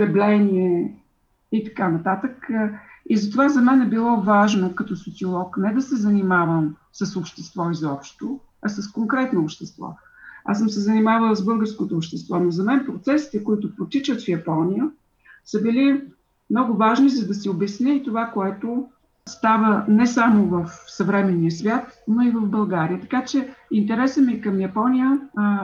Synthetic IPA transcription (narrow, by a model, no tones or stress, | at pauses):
ɛblɛniɛ | it̪ɐ̥kanɐt̪at̪ək | izɐt̪ovazɐmɛnɛbilˠɔvaʒnokɐt̪ɔsot̪siolˠɔknɛd̪ɐsɛzɐnimavəm | səsopʃt̪ɛst̪vɔizɔpʃt̪o | ɐsəskoŋkɾɛt̪noːpʃt̪ɛst̪vɔ̰ | a̰səmsɛzɐnimavəlˠzbɤlˠɡəɾskot̪oːpʃt̪ɛst̪vɔnozɐmɛnpɾot̪sɛsi̥t̪ɛkʊit̪ʊpɾot̪it͡ʃət̪fjɐpɔnijə | səbili | mnɔɡʊvaʒnizɐd̪ɐsiobɛsnʲiit̪ovakoɛt̪o | st̪avənɛsamovəfsɐvɾɛmɛniəsvʲjat̪noivəvbɐlˠɡaɾiət̪ɐ̥kat͡ʃɛint̪ɛɾɛsəmikɐmjɐpɔnijə